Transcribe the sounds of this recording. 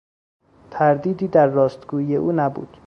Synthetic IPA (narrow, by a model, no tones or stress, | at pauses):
t̪ʰæɾd̪iːd̪iːd̪æɾːɒːst̪ɡuːije̞ʔuːnæbṵːd̪̥